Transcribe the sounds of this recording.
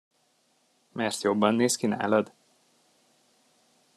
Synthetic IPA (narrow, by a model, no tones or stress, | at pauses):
mɛrt̪jo̞bːɒnːeːskina̰ːlɒd̪